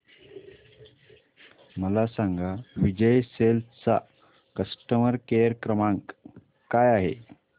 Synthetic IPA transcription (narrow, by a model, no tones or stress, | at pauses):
məlasaŋɡaʋid͡ʑəjselst͡sa | kəsʈəməɾkejəɾkɾəmãŋk | kajaɦḛ